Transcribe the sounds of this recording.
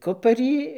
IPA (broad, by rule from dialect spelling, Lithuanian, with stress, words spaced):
ˈkʊpɐrʲiː